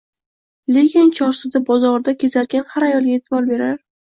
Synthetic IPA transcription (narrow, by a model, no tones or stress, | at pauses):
leɡʲant͡ʃʰɒɾsʊd̪abɒzɒɾd̪akʲʰe̞zaɾɡʲanhaɾajɒlˠɡʲet̪ʰɪbɒɾbe̞ɾaɾ